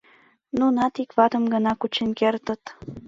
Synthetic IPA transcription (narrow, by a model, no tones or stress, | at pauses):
nunɑt̪ikβɑt̪ə̆mɡə̆nɑkut͡ɕenkert̪ə̆t̪